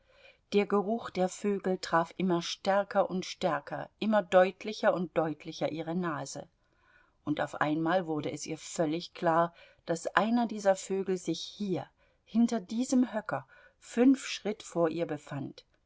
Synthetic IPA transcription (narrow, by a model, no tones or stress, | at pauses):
d̥eːɐɡəʁʊxd̥eːɐføːɡl̩tʁ̥aːfʔɪmɐʃtɛɐkʰɐʔʊntʃtɛɐkʰɐʔɪmɐdɔʏtʰlɪçɐʊnt̚d̥ɔʏtʰlɪçɐʔiːʁənaːzə̰ | ʔʊnta̰ʊfʔa̰ɪnmaːlvʊɐdəʔɛsʔiːɐfœlɪçkl̥aːɐ | d̥asʔaɪnɐdiːzɐføːɡl̩zɪçhiːɐ | hɪntɐdiːzəmɦœkɐ | fʏnfʃʁ̥ɪtfoːɐʔiːɐbəfant